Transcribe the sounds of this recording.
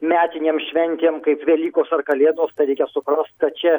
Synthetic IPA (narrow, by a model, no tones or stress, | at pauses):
mʲæːt̪ʲɪnʲeːmʃʲʋʲɛnʲt̪ʲeːmkɐɪpʋʲɛlʲiːkoːsɐrkɐlʲeːd̪oːst̪ɐɪɾʲɛɪkʲɛsʊpɾɐst̪̚kɐt̪̚t͡ʃʲɛ